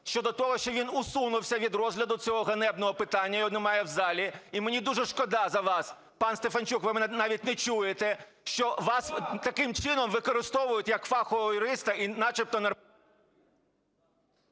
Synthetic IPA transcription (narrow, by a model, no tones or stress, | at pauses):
ʃt͡ʃɔd̪ɔt̪ɔɦɔʃt͡ʃɔʋʲinʊsunʊwsʲɐʋʲid̪rɔzɦlʲɐd̪ʊt͡sʲɔɦɔɦɐnɛbnɔɦɔpɪt̪ɑnʲːɐjɔnnɛmɑjɛwzɑlʲiimenʲid̪uʒɛʃkɔd̪ɑzɐʋɑs | pɑnst̪efɐnt͡ʃukʋɪmɪɛnɑʋʲitʲnɛt͡ʃujet̪ɛ | ʃt͡ʃɔʋɑst̪ɐkɪmt͡ʃɪnɔmʋɪkɔɾɪst̪ɔʋʊjʊtʲjɐkfɑxɔɔjʊɾɪst̪ɐinɑt͡ʃɪp̚t̪ɔnɐ